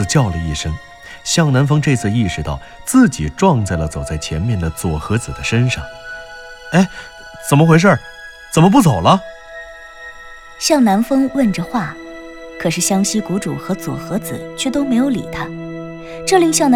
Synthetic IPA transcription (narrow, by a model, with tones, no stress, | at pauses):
t͡ɕjɑ˥˩ʊlə˩i˥˩ʂɤ˥ŋ | ɕjɑ˥˩ŋna˧˥nfɤ˥ŋʈ͡ʂɤ˥˧t͡sʰɹ̩˥˧i˥˩ʂɻ̩˧t̪ɑ˥˩ʊt͡sɹ̩˥˩t͡ɕi˨˩ʈ͡ʂwɑ˥˧ŋt͡sa˥˩ɪlə˩t͡so˨˩ʊt͡sa˥˩ɪt͡ɕʰjɛ˧˥nmjɛ˥˩nd̪ə˩t͡swɔ˨˩xɤ˧˥t͡sɹ̩˨˩d̪ə˦ʂə˥nʂɑ̰˥˩ŋ | e˥˩ɪ | t͡sə˨˩nmə˦xwe˧˥ɪʂ̬ə˥˩ | t͡sə˨˩mə˦p̬u˥˩t͡so˨˩ʊlə˦ | ɕjɑ˥˩ŋna˧˥nfɤ˥ŋwə˥˩nʈ͡ʂə˩xwa˥˩ | kʰɤ˨˩ʂɻ̩˥˩ɕjɑ˥ŋɕi˥ku˧˥ʈ͡ʂu˨˩xɤ˧˥t͡swɔ̰˨˩xɤ˧˥t͡sɹ̩̰˨˩˦t͡ɕʰɥɛ˥˩t̪o˥ʊme˧˥ɪjo˧˥ʊlḭ˨˩t̪ʰa˥ | ʈ͡ʂɤ˥˧li˥ŋɕjɑ˥˩ŋn